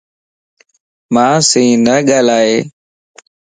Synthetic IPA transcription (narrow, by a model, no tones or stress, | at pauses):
mãːsĩːnəɠaːlaːɦeː